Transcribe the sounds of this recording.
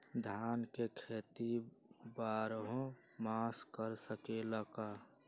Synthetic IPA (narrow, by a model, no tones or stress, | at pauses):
d̪ʱaːnkekʰeːt̪ibaːɾɦõ | maskəɾsəkeləka